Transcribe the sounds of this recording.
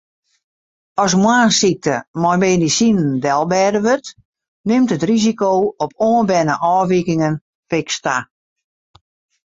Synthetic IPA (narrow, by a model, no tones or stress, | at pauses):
ɔs̬mwaːsik̚təmɔjmeːndisinəndɛlˠbɛːdəʋørt | nɪmtətrizikoːɔpʰoːənbɛnəʔɔːʋikɪŋən | fɪksta̰